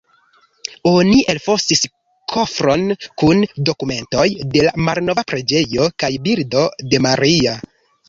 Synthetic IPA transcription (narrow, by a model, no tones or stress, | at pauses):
o̞niʔelfo̞stis | kʰo̞fɾo̞nkundo̞kume̞nto̞jde̞lamalno̞vapɾe̞d͡ʒe̞jo̞kajbiɾdo̞de̞maɾia